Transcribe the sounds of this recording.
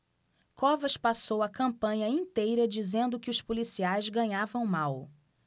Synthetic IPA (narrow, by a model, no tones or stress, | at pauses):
kɔvɐʃpasowɐkɐ̃mpɐ̃ɲɐĩnt̪ejɾɐd͡ʒizẽnd̪ʊkɪʊspolisiajzɡɐ̃ɲavɐ̃w̃maw